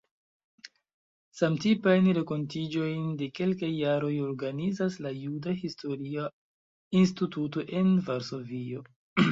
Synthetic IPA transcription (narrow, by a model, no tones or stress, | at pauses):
samtipajnɾe̞ko̞ntid͡ʒo̞jnde̞ke̞lkajːaɾo̞jo̞ɾɡanizaslajudahisto̞ɾia | institut̬o̞ʔe̞nvaɾso̞vio̞